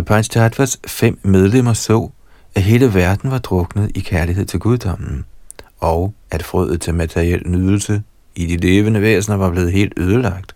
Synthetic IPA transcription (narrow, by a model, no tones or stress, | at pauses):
pʰɑnɕdʰɑd̥ʋæsfem̰með̞ˠlem̰ɐsɔ̰̽ː | æɦe̝ːləʋæɐd̥n̩ʋɑ̈d̥ʁɔ̽ɡ̥nəð̞̩ˠikʰæɐliɦe̝ð̰ˠt͡sʰe̝lɡ̥uð̞ˠd̥ɒ̽m̰n̩ɒ̽ʊ | æd̥fʁœð̰ˠð̩ˠt͡sʰe̝lmæt͡sʰeʁiel̰nyðˠl̩sə | id̥ile̝ːʋənəʋḛːsnɐʋɑ̈b̥le̝ːð̞̩ˠɦe̝̰ːld̥øːð̞ˠəlɑ̈ɡ̥̚d̥